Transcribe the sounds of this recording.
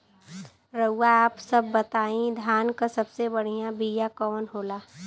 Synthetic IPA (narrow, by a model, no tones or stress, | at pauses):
ɾɐuːaaːpsɐbːɐt̪aːĩd̪ʱjaːnkasɐbsebɐɽ̤ijãbijakɔːnɦoːlaː